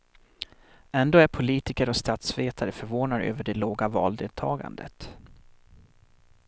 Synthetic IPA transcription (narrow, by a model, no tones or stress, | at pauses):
ɛnd̪oːæɾpʰʊliːt̪ɪkəɾɔst̪at̪sveːt̪ʰaɾəfœɾvoːnad̪ø̰ːvəɖɛloːɡavɑ̰ːld̪ḛːlt̪ʰɑːɡa̰nd̪ə̰t̪